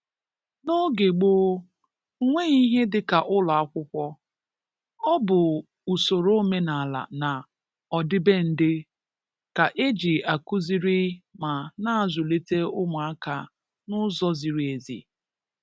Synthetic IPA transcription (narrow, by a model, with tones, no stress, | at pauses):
no˦ɡe˨ɡ͡boː˦ | ŋʷe˦i˦ɦe˦dɪ˨ka˨ʔʊ˦lɔ˨a˦kʷʊ˦kʷɔ˦ | ɔ˦bʊ˨ | u˨so˨ɾo˦me˦na˨a˨la̰˨na˨ | ɔ˨dɪ˦be˦n̩˦dɪ˦ | ka˨ʔe˦d͡ʒi˨a˨ku˦zi˦ɾi˦ma˨na˦a˨zʊ˨le˦te˦ʊ˦mʊ˨a˦ka˨ | nʊ˦zɔ˦zi˨ɾi˨e˨zḭ˨